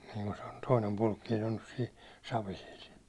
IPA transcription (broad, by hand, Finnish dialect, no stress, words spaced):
niŋku se̥ o̥n̥ toinem pulkːiːn̞ on nys siːn̞ sɑʋisil